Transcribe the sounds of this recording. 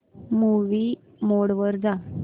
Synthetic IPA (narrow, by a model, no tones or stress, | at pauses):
muʋi | moɽʋəɾd͡za